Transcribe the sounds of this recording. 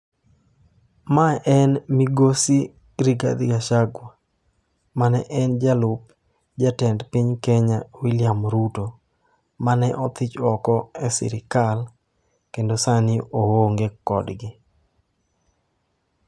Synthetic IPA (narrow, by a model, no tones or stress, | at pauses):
maʔɛnmiɡosi | ɾiɡa̰d̪ɪɡaʃaɡwa | manɛʔɛnd͡ʒalʊp̚ | d͡ʒatɛndpɪɲkɛɲawiljamɾuto | manɛʔɔt̪ɪt͡ʃɔkɔɛsɪ̰ɾɪkal | kendosanɪowoŋɡekɔdɡɪ